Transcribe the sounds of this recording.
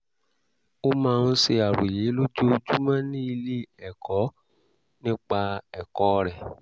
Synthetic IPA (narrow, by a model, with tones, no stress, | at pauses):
o˦mãː˧ɾũ˦se˧a˨ɾu˨je˨˦lo˦d͡ʒo˦d͡ʒu˦mã˦nĩ˦i˧le˦ɛ˨kɔ˨˦ | nĩ˦k͡pa˧ɛ˨kɔ˦˧ɾɛ˨